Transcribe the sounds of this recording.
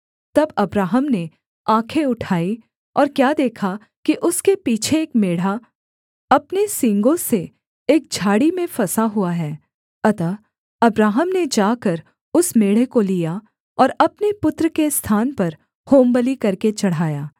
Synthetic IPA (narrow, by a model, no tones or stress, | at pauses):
t̪ɐbɐbɾaːɦəmne | ãːkʰeʊʈʰaːi | ɔːɾkjaːd̪eːkʰa | kiʔʊskepiːt͡ʃʰeeːkmeːɽ̤a | ɐpnesɪ̃ŋɡõse | eːk̚d͡ʒʱaːɽimẽfɐsaɦuaɦɛː | ɐt̪a | ɐbɾaːɦəmned͡ʒaːkɐɾ | ʊsmeːɽ̤ekolija | ɔːɾɐpnepʊt̪ɾəkest̪ʰaːnpɐɾ | hoːmbəlikɐɾket͡ʃɐɽ̤aːjaː